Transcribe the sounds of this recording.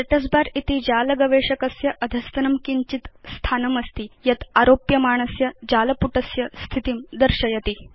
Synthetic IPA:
ɐʈɐs̬baɾit̪id͡ʑaːlɐɡɐʋeɕɐkɐsjɐʔɐd̪ʱɐst̪ɐnɐmkiɲt͡ɕit̪st̪ʰanɐmɐst̪iːjɐt̪aɾoːpjɐmaːɳ̃ɐsjɐd͡ʑaːlɐpuʈɐsjɐst̪ʰit̪imd̪əɾɕɐjɐt̪i

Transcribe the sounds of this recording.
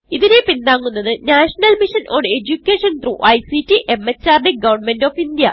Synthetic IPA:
iðinepind̪aːŋːunːɐðɨnaːʂɐnɐlmiʂɐnʔoːɳɖe̞d͡ʑukʲːeːʂɐnt̪ruʔɐjsitːiʔe̞mːet͡ɕːaːrɖeɡɐʋɐrɳmendoːfind̪jɐ̰

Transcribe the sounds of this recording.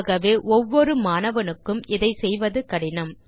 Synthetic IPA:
ɣɐʋeːʔɔʋːɔɾɯmaːnɐʋɐnɯkːɯmɪðɐɪsɛjʋɐðɯkɐɽɪnɐm

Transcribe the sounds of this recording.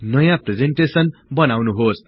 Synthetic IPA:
nʌjãpred͡zeɳʈesʌnbʌnawnuɦos

